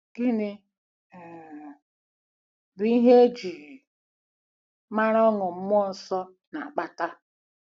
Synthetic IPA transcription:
ɡ̥ɪ˦nɪ˨ | bi˦ɦe˦e˦d͡ʒi˨ | ma˦ɾɔ˦ŋʊ˨m̩˦m˦ɔ˦˨n˨sɔ˦ | na̰˨a˨k͡pa˨ta˦

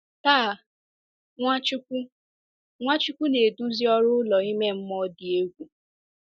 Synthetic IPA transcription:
taː˦˨ | ŋʷa˦t͡ʃʊ˦kʷu˦ | ŋʷa˦t͡ʃʊ˦kʷu˦ne˨du˦zi˦ɔ˦ɾʊ˦ʊ˦lɔ˨i˦me˦m̩˦mɔ˦dɪ˨e˦ɡʷu˨

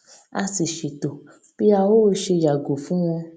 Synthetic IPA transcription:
a˧si˨ʃi˨to˨ | b̥i˦a˧wo˦ʃe˧ja˨ɡo˨fũ˨˦w̃ɔ̃˧

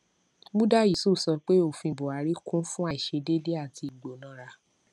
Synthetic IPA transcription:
mũ˦da˦ji˨so˦˨sɔ˧k͡pe˦o˦˨fĩ˧˨bo˨a˨˦ɾi˦kũ˦fũ˦a˧˦i˨ʃe˧˦de˦de˦a˦˨ti˧i˨ɡ͡bo˨˦nã˨˦ɾa˧˦

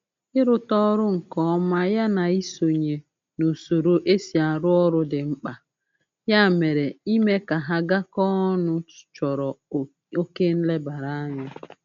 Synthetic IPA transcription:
ɪ˦ɾʊ˦tɔ˦ɾʊ˦ŋ̩˨kɔ˦ɔ˦ma˦ja˦na˨i˦so˨ɲe˨ | no˨so˨ɾo˨ʔe˦si˨a˨˦ɾʊ˦ɔ˦ɾʊ˦dɪ˨ŋ͡m̩˦k͡pa˨ | ja˦˨me˨ɾe˨i˦me˦ka˨ɦa˦ɡa˦kɔ˦nʊ̥˦˨t͡ʃɔ˨ɾɔ˨ | o˦ke˦n̩˦le˦ba˨ɾa˦ɲʊ˦

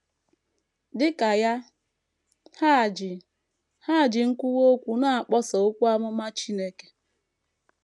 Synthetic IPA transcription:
dɪ˦ka˨ja˦ | ha˦˨d͡ʒ | ha˦˨d͡ʒɪ˨ŋ̩˦kʷu˦wo˦kʷu˨na˦a˨k͡pɔ˦sɔ˨ʊ˦kʷu˦a˦mʊ˦ma˦t͡ʃi˦ne˦ke̥˦

